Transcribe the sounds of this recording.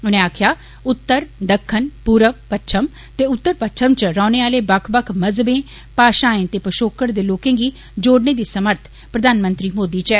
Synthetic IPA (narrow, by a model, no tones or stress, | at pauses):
ʊnẽːaːkʰjaː | ʊt̪ːəɾd̪əkʰːənpuːɾəʋpətːʃʰəm | t̪eːʊt̪ːəɾpətːʃʰəmt͡ʃɾaːneːaːleːbəkʰbəkʰməzbẽː | paːʃãːẽːt̪eːpəʃoːkəɾd̪eːloːkẽːɡiː | d͡ʒoːɽneːd̪iːsəməɾt̪ʰ | pɾəd̪ʱaːnmə̃nt̪ɾiːmoːd̪iːt͡ʃɛː